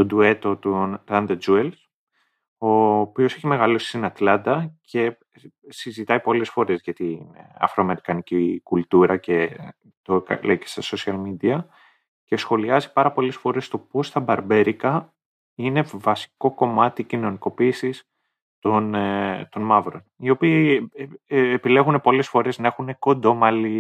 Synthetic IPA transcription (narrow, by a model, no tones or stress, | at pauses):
t̪od̪ue̞t̪o̞t̪unt̪ɐnd̪ɐd͡ʒuels | opio̞se̞çime̞ɣɐlosi̥st̪inɐt̪lɐnd̪ɐcʰe̞ | sizit̪ɐipo̞le̞sfo̞ɾe̞zʝɐt̪inɐ̰fɾoɐme̞ɾikɐnicikult̪uɾɐce̞ | t̪okɐ̰lejce̞̥st̪ɐsosiɐlmid̪iɐ | ce̞sxo̞liɐzipɐɾɐpo̞le̞sfo̞ɾe̞st̪o̞post̪ɐbɐɾbe̞ɾikɐ | ine̞vɐsi̥ko̞ko̞mɐt̪icino̞niko̞piːsis | t̪ont̪o̞nmɐvɾo̞nio̞piː | pile̞ɣune̞po̞le̞sfo̞ɾe̞znɐe̞xune̞ko̞nd̪o̞mɐli